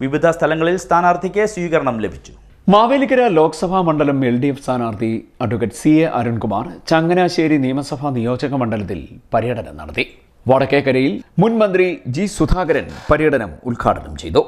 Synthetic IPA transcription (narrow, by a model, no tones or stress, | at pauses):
ʋiʋid̪ʱɐst̪ʰɐlɐŋːɐɭilst̪ʰaːnaːrt̪ʰikʲːeswiːɣɐɾɐɳɐmlebʱit͡ɕːu̥ | maːʋeːlikːɐɾɐlo̞ːkɐ̥sɐbʱamɐɳɖɐlɐmelɖijefst̪ʰaːnaːrt̪ʰiɐɖukːɐʈsieʔɐɾuɳkumaːrt͡ɕɐŋɡɐnaːɕeːɾinijɐmɐsɐbʱɐnijo̞ːd͡ʑɐɣɐmɐɳɖɐlɐt̪ːḭlpɐɾijɐɽɐnɐ̰mnɐ̰ɽɐt̪ːi | ʋɐɽɐkːekːɐɾɐjilmunmɐnd̪rid͡ʑisud̪ʱaːɡɐɾɐnpɐɾijɐɽɐnɐmṵlkʰa̰ːʈɐnɐmt͡ɕe̞̰jt̪u